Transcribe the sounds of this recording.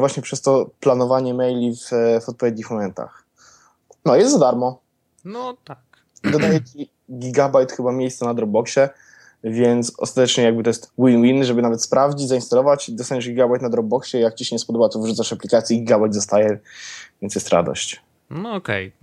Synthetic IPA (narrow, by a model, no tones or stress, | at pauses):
vwaɕɲɛpʂɛst̪ɔplanɔvaɲɛmɛjlʲifvɔt̪̚pɔvʲjed̪ɲixmɔmɛnt̪a̰x | nɔjɛst̪zad̪aɾmɔ | nɔt̪ak | id̪ɔd̪ajɛt͡ɕi | ɡʲiɡabajt̪xɘbamʲjejssɛnad̪ɾɔb̚bɔkɕɛ | vʲjɛnt̪sɔ̰st̪at̪ɛt͡ʂɲɛjaɡ̚bɘt̪ɔjɛst̪winwinʐɛbɘnavɛt̪spɾavd͡ʑit͡ɕzainst̪alɔvat͡ɕd̪ɔst̪aɲɛʐɡʲiɡabajt̪nad̪ɾɔb̚bɔkɕɛjak̚t͡ɕiɕɛɲɛspɔd̪ɔbat̪ɔvʐut̪saʂaplʲikat̪sʲjiɡʲiɡabajd̪ɔst̪ajɛvʲjɛnt̪sjɛst̪ɾa̰d̪ɔ̰ɕt͡ɕ | nɔɔkɛ̰j